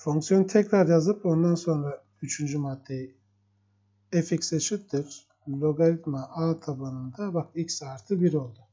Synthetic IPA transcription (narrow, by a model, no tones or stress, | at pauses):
foŋksijo̞nɯt̪ʰɛcɾaɾjazɯpo̞nd̪anso̞nɾa | yt͡ʃʰynd͡ʒymad̪̥ːeji | eficset͡ʃʰip̚t̪ʰiɾ̥ | lʲoɡalʲit̪maʔaːt̪ʰabanɯnd̪abakilcsaːɾt̪ʰɯbiɾo̞lˠd̪ʊ